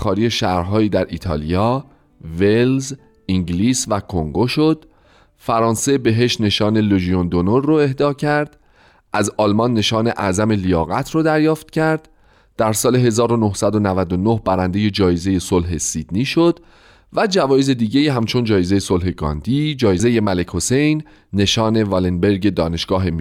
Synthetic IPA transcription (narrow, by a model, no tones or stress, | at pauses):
xɒːɾiːje̞ʃæhɾɦɒːiːd̪æɾʔiːt̪ʰɒ̰ːlijɒː | velz | iŋɟliːsvækʰoŋɡo̞ʃo̞d̪̥ | fæɾɒːnse̞be̞ɦe̞ʃt̪ne̞ʃɒːne̞loʒijond̪onoɾːoe̞hd̪ɒːcʰæɾd̪̥ | ʔæzɒːlmɒnːe̞ʃɒːne̞ʔæzæme̞lijɒːɣæt̪ʰroːd̪æɾjɒːft̪cʰæɾd̪̥ | d̪̥æɾsɒːle̞ɦe̞zɒːɾo̞nohsæd̪o̞nævæd̪onohbæɾænd̪e̞je̞d͡ʒɒːjeze̞je̞solɦe̞sid̪̥niːʃo̞d̪̥ | væd͡ʒævɒːjeze̞d̪iːɟe̞iːɦæmt͡ʃʰo̞nd͡ʒɒːje̞ze̞jeso̞lɦe̞ɡɒ̰ːnd̪̥iːd͡ʒɒːjeze̞je̞mæle̞cʰho̞se̞jnː | e̞ʃɒːne̞vɒlenbe̞ɾɡe̞d̪ɒːne̞ʃɡ̥ɒːɦe̞mi